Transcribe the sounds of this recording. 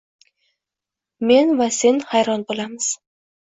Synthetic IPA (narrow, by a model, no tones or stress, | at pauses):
me̞nvase̞nhajɾɒnbolˠamɪz̥